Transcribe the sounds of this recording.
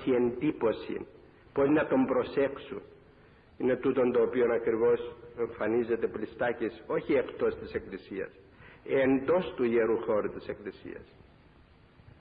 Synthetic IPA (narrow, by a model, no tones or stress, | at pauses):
ie̞nd̪ipo̞sḭn | poznɐt̪o̞mbɾo̞se̞ksun | ine̞t̪ut̪o̞nt̪o̞ːpio̞nɐkɾivo̞se̞ɱfɐnize̞t̪e̞plist̪ɐceso̞çie̞kt̪o̞st̪ise̞klisiɐ̰s | end̪o̞st̪uʝeɾuxo̞ɾut̪ise̞klisḭɐ̰s